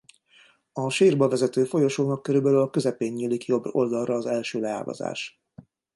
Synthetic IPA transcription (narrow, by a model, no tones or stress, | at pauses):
ɒʃiːrbɒvɛzɛt̪øːfo̞jo̞ʃoːnɒkːøɾybɛlyːlɒkø̞zɛpeːɲːiːlikjo̞bːo̞̰ld̪ɒrrɒːzɛlʃøːlɛa̰ːlɒ̰za̰ːʃ